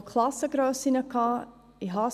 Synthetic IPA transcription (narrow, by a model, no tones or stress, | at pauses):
kʰlasəɡɾoːsinəkɑ | iɦɑ